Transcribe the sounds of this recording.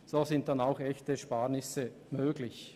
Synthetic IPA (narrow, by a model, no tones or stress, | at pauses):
z̥oːzɪnt̚d̥anaʊxɛçtəʃpaːʁnɪsə | møːɡlɪç